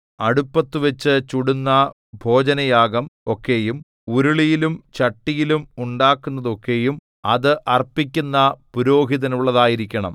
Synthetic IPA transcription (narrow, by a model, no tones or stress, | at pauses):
ɐɽupːɐt̪ːuʋɐt͡ɕːɨt͡ɕuɽunːɐ | bʱo̞ːd͡ʑɐnɐjaːɡɐmo̞kːe̞jum | uɾuɭijilumt͡ɕɐʈːijilumuɳɖaːkːunːɐðo̞kːe̞jum | ɐðɨʔɐrpːikʲːunːɐpuɾo̞ːɦiðɐnuɭːɐðaːjiɾikʲːɐɳɐ̰m